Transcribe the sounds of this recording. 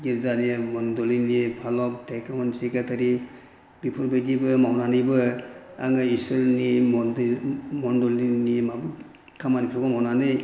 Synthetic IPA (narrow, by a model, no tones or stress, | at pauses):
ɡiɾzanimɔndɔlinipʰalɔp̚tʰekmɔnsekatʰaɾi | bipʰuɾbejdibɯmawnanibɯa̰ŋajisɯɾni | mɔndɔlinimabu | kʰamanikʰɾɔɡɔmawnanɯj